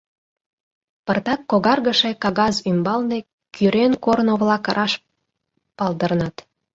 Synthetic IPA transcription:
pərt̪ɑkːoɣɑrɣəʃekɑɣɑzymbɑlne | kʰyɾenkornoβlɑkɾʔɑʃ | pɑld̪ərnɑt̪

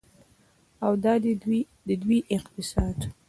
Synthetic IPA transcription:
awd̪ɑ | d̪əd̪wiʔɪqt̪ɪsɑd̪

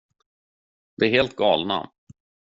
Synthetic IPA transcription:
d̪̥ɛæɾheːlt̪̚ɡɑːlna̰

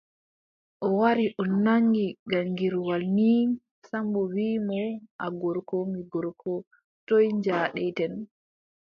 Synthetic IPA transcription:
ʔɔwaɾiʔɔnaŋɡiɡaŋɡiɾwalni | sambɔwiːmɔʔaɡɔɾkɔmiɡɔɾkʰɔ | tɔjɲd͡ʒaːɗɛtɛn

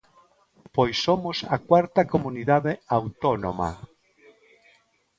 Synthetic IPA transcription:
pojsːomʊsakwaɾt̪ɐkomuniðaðeawt̪ono̰ma̰

